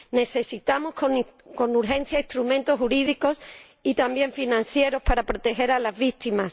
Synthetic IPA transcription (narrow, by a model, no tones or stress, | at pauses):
ne̞θe̞sit̪amoskoko̞nuɾxẽ̞nθjaist̪ɾumẽ̞nt̪ohuɾið̞iko̞s | it̪ambje̞ɱfinãn̟θje̞ɾo̞spaɾapɾo̞t̪e̞xe̞ɾalazβit̪imas